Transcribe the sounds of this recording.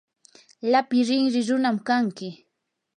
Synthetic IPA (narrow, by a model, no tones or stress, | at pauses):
lapɪɾɪŋɾɪɾʊnamkaŋkɪ